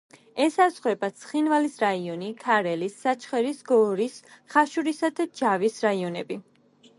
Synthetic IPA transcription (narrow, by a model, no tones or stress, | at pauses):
ɛsasχwɛbasʰχinvalisɾaiɔnikʰaɾɛlisːat͡ʃʰχɛɾisɡɔɾisχaʃuɾisad̪ad͡ʒavisɾaiɔnɛbi